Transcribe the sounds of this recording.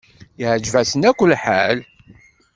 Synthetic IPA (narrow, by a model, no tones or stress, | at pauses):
ʕd͡ʒvæsənækʷːəlħa̰l